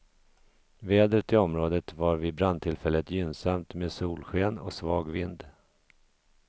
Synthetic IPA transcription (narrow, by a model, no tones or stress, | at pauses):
veːd̪ɾət̪ɪɔmɾoːd̪ət̪vaɾvɪbɾand̪̚t̪ʰɪlfɛlːət̪jʏnsamt̪meːd̪suːlɧeːnɔ̰ksvɑːɡvɪnd̪